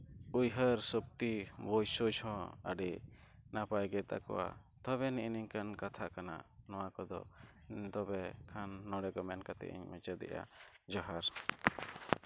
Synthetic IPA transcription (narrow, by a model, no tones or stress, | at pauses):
ujɦəɾsəb̚t̪ibɔjsud͡ʒhɔ̃ə̰ɖinapajɡɛt̪a̰kɔ̰wa̰ | t̪ɔβɛniʔniɲkankat̪ʰakana̰nɔwakɔd̪ɔ̰ | d̪ɔbɛkʰanːɔɽɛkɔmɛnkat̪ɛ̰ʔḭɲmɛt͡ʃɛd̪ɛ̰ʔja̰d͡ʒaɦaɾ